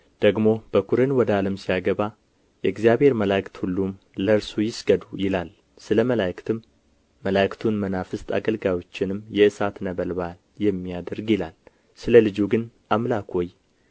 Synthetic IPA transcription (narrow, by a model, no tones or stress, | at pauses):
d̪̥əɡmo̞b̥əkʰuɾɨnwɔd̪aləmsijaɡəβa | jɛɨɡzijabhe̞ɾməlajkt̪hulːum | ləɨɾsujɪsɡəd̪ujɪlal | sɨləməlajkt̪ʰɨmː | əlajkt̪ʰunmənafɨst̪ʰʼa̰ɡəlɡawo̞t͡ʃːɪnɨmjɛʔɨsat̪nəβəlβal | jɛmːijad̪əɾɡjɪlal | sɨləlɨd͡ʒuɡɨnʔamlakʰoj